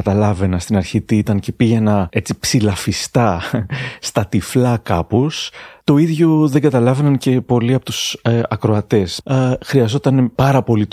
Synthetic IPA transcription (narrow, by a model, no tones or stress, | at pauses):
ɐt̪ɐlɐve̞nɐst̪inɐɾçit̪it̪ɐnce̞piʝe̞nɐe̞t͡sipsilɐfist̪ɐ | st̪ɐt̪iflɐkɐpost̪o̞iðʝo̞ðe̞ŋɡɐt̪ɐlɐve̞nɐnce̞po̞liɐpo̞t̪usɐkɾo̞ɐt̪e̞sxɾiɐzo̞t̪ɐnepɐɾɐpo̞lit̪